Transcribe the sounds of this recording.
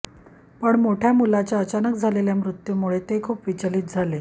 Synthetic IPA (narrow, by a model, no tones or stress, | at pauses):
pəɳmoʈʰjamulat͡ɕjaət͡ɕanəkd͡zʱaleljamɾut̪ːjumuɭet̪ekʰuːpʋit͡ɕalit̪̚d͡zʱale